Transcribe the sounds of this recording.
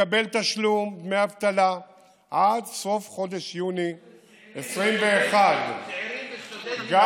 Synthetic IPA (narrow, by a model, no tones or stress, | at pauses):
abe̞lt̪aʃlumbmeavt̪ala | ʔad̪so̞fχo̞d̪e̞ʃjuni | esʁimveːχad̪ | ɡa